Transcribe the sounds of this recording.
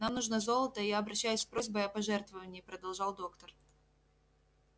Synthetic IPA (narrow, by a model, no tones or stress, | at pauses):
namnuʐnəzo̞lˠət̪əɪjaɐbɾɐɕːæjʉsʲspɾo̞zʲbəjɐpɐʐɛrt̪vəvənʲɪjpɾəd̪ɐlˠʐɑlˠd̪o̞kt̪ər